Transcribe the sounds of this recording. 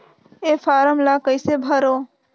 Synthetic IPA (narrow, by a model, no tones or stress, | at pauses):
epʰaɾəmlakəɪsebʱəɾo